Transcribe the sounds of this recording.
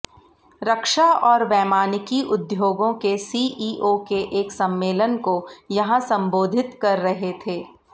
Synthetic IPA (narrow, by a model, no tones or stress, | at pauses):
ɾɐkʃaɔːɾʋɛːmaːnɪkiʔʊd̪joːɡõkesiːʔiːʔokeʔeːksɐ̃mːeːlənkojɐɦãsɐ̃mboːd̪ʱɪt̪kɐɾːɐɦet̪ʰeː